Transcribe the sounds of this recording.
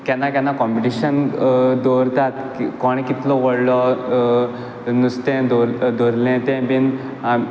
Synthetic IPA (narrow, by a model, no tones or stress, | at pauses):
kɛ̃nakãnːakɔmpiʈiɕənd̪ɔɾt̪at̪kikɔɽ̃ĩkit̪lɔʋəɽlɔ | nust̪ɛ̃d̪ɔɾd̪ɔɾlɛ̃t̪ɛ̃bin | a